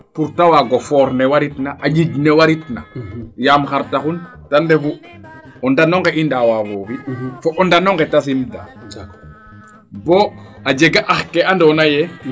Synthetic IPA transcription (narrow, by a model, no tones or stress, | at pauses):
puɾtawaɡofɔɾnɛwaɾitnaʔaɟiɟnewaɾitnajaːmxaɾtaxun | tandefu | ɔndanɔŋɡɛʔindawavofifɔʔɔndanɔŋɡɛtas̬imda̰ | boad͡ʒeɡaʔaxkeandɔnajɛ